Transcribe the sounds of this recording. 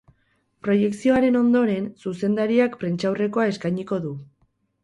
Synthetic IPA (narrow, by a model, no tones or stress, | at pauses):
pɾo̞je̞ksio̞aɾe̞no̞nd̪o̞ɾe̞nsuse̞nd̪aɾiakpɾe̞nt͡ʃawre̞ko̞ae̞skajɲiko̞ðu